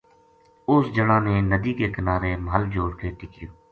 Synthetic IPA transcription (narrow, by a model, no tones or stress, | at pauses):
ʊsd͡ʒəɽãːneːnəd̪iːkeːkənaːɾeːməɦəld͡ʒoːɽkeːʈɪkɪjoː